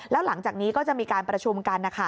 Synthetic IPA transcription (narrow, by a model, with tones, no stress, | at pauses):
lɛː˦˥wla˩˦ŋt͡ɕaː˨˩k̚niː˦˥kɔː˥˩t͡ɕa˨˩ʔmiː˧kaː˧npɾa˧t͡ɕʰu˧mka˧nʔa˧kʰa˦˧˩